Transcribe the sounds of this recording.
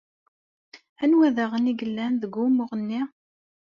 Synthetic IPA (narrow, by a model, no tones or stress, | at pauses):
ænwæðæʁəniɡəlːænðəɡːumʊʁənːi